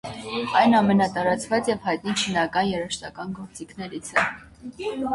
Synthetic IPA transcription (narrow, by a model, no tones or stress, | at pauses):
ɑjnɑmɛnɑt̪ɑɾɑt͡svɑt͡sjɛvhɑjt̪̚nit͡ʃʰinɑkɑnjɛɾəʃt̪ɑkɑnɡɔɾt͡sikʰnɛɾit͡sʰə